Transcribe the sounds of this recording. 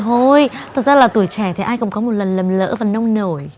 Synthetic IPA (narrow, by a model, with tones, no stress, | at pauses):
o˧jt̪ʰə˨˩t̚zaː˧laː˨˩t̪u˧˩əjt͡ɕɛ˧˩t̪ʰi˨˩ʔaː˧jkʊ̰˧˥ŋ͡mkɔ˨˦mo˨˩t̚lə˨˩nlə˨˩mlə̰ː˧˥vaː˨˩nə˧wŋ͡mno˧˩j